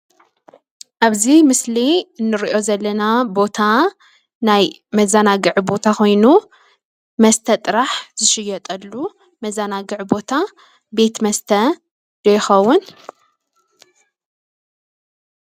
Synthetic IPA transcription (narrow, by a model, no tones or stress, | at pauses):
ʔaβzimɨsliɨnːɨɾiʔo̞zɐlːɐnabo̞t̪ʰa | naj | mɐzanaɡɨʕbo̞t̪ʰaxʰo̞jnu | mɐst̪ʰɐt̪ʼɨɾaħzɨʃɪjɐt̪ʼɐlːu | mɐzanaɡɨʕbo̞t̪ʰa | be̞t̪mɐst̪ʰɐ | d̪ɐjɪxɐwːʊn